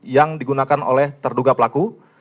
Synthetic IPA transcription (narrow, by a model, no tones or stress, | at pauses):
jaŋdiɡunakano̰lɛht̪ərduɡapəlaku